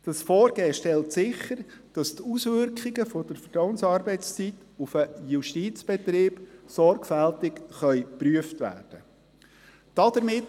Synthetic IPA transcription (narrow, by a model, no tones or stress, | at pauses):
d̥ɑsfɔːɾɡeːʃtɛltsɪχəɾd̥ɑst̪usʋʏɾkχiɡəfod̥əɾfədɔʊənsɑːɾbɛɪt͡st͡sit | ufəjuʃtiːt͡sb̥ɛt̪ɾɪːb̥sɔɾɡfæltɪkχœʏpryəftʋæ̰ːrd̥ə | d̥ɑd̥əɾmɪt